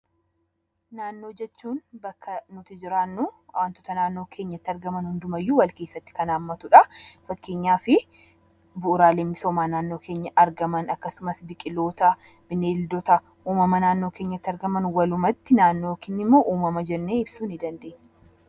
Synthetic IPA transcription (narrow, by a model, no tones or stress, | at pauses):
naːnːo̞ːd͡ʒɛt͡ʃːuːnbɐkːɐnʊt̪ɪd͡ʒɪɾaːnːʊaːnt̪ɔt̪ɐnaːnːo̞ːkʰe̞ːɲːɐt̪ːɐɾɡɐmɐnhʊnd̪ʊmɐjːuːwɐlke̞ːsːɐt̪ːɪ̥kɐnaːmːɐt̪ʊᶑɐfɐkːe̞ːɲːaːfɪ | bʊʔːɾaːlemɪsoːmaːnaːnːo̞ːkʰe̞ːɲːɐʔɐɾɡɐmɐnɐkːɐsʊmɐsbɪkʼɪlo̞ːt̪ɐ | b̥ɪneːld̪ɔt̪ɐ | ʔuːmɐmɐnaːnːo̞ːke̞ːɲːɐt̪ːɪɐɾɡɐmɐnwɐlʊmɐt̪ːɪnaːnːo̞ːkɪnːɪmːo̞ːʔuːmɐmɐd͡ʒɛnːeːɪbsuːnɪd̪ɐnd̪e̞ːɲː